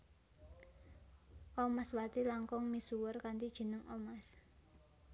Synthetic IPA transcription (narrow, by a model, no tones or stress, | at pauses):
ʔɔmaswat̪ilaŋkɔŋmisuwərkant̪id̥ʒ̥ə̤nəŋɔmas